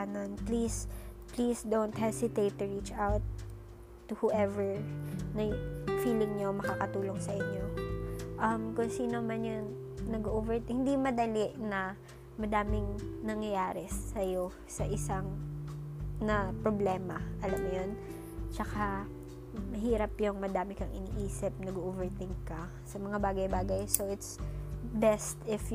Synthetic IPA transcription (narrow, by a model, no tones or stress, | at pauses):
nonplis | plisd̪ownt̪hɛsɪt̪ejt̪ːʊɹit͡ʃʔawt̪ː | ʊhuʔɛvɛɹnɐfiːlɪŋɲomɐkakɐt̪uːlo̞ŋsɐʔɪɲːo̞ʔɐmkʊŋsiːnomanjoŋ | nɐɡoʔovɛɹt̪hɪnd̪imɐd̪ɐlɪʔnɐ | mɐd̪aːmɪŋnɐŋjɐjaːɾɛsɐjo̞ | sɐʔɪsaŋ | nɐpɾoblɛːmɐʔɐlɐmjon | t͡ʃɐka | mɐɦiːɾɐpjʊŋmɐd̪aːmɪkɐŋʔɪ̰niʔiːsɪp̚nɐɡoʔovɛɹt̪ɪŋkkɐ | sɐmɐŋabaːɡɐjbaːɡɐjso̞ʔɪt̪sbɛst̪ɪf